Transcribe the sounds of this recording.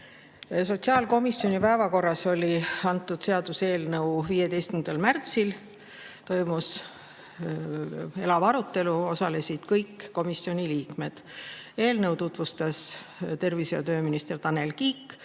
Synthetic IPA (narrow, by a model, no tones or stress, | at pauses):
so̞t̪ʲsiɑːlko̞misːjo̞nʲipæevɑko̞rːɑso̞lʲiɑnt̪ːˑud̪̥se̞ɑd̪use̞ːlnəuviːjet̪e̞jst̪kynd̪elmært̪sil | t̪o̞jmus | e̞lɑvɑɾut̪ːe̞luo̞sɑle̞sid̪̥kɤjkːo̞miso̞nʲiliːkme̞d̪̥e̞ːlnɤwt̪ut̪vust̪ɑst̪e̞rviseɑ̰t̪ø̞ːminist̪e̞rt̪ɑne̞lkiːkːˑ